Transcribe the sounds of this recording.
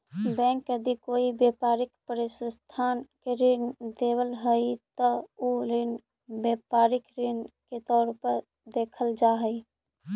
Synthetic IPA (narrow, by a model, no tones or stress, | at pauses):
bɛ̃ŋkjəd̪ikoibjepaɾikpəɾisəst̪ʰankeɾind̪ebəlɦəjt̪əulin | bepaɾikɾinket̪ɔːɾpəɾ | d̪ekʰəld͡ʒaɦəɪ